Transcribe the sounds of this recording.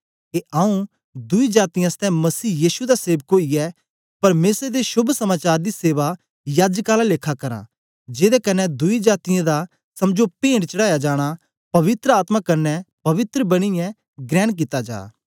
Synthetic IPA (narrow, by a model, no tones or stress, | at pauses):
eʔaːũ | d̪ʊid͡ʒaːt̪ɪjãst̪ɛ̃mɐsiːjiːʃud̪aseːʋkoːiɛ | pɐɾmeːsɾed̪eʃʊbʱsɐmaːt͡ʃaːɾd̪iseːʋa | jaːd͡ʒkaːlaleːkʰakɐɾã̰ | d͡ʒeːd̪ɛkɐnːɛd̪ʊid͡ʒaːt̪ɪjãd̪a | sɐmd͡ʒopẽːɳɽt͡ʃɐɽaːjad͡ʒaːɽ̃a | pɐʋɪt̪ɾəaːt̪makɐnːɛpɐʋɪt̪ɾəbɐɽ̃ɪjɛ̃ | ɡɾɛ̃ːk̬ɪt̪ad͡ʒa̰ː